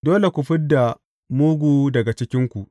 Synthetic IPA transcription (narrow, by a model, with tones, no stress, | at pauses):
doː˦le˨kʷu˨ɸɪ˦dːa˨ | muː˦ɡʷuː˦dɐ˨ɡa˨t͡ʃɪ˦kʲɪ˦ŋkʷu˨ʔ